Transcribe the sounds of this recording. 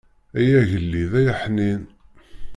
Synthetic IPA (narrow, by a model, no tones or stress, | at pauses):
æjæʝəlːiðæjaħnin